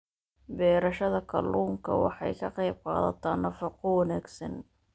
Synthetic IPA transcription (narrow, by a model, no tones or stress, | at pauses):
bɛːɾɐʃɐðɐkʰɐ̰lʔuːŋkʰɐwɑ̰ħɑ̰jkʰɐqɑjb̚qɑ̰ːðɐ̰t̪ʰaːnːɐfɑqʰɔwɑnæːɡsɐ̰n